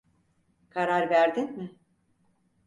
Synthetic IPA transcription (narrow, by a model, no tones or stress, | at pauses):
kʰaɾaɾvæɾd̪inmɪ